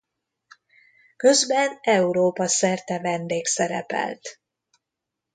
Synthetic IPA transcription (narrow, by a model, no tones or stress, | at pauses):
kø̞zbɛnɛuɾoːpɒsɛrt̪ɛvɛnd̪eːksɛɾɛ̰pɛ̰lt̪